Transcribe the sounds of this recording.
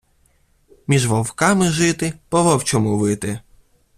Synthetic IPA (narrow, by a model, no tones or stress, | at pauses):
mʲiʒʋɔwkɑmɪʒɪt̪ɪpɔʋɔwt͡ʃɔmʊʋɪt̪ɪ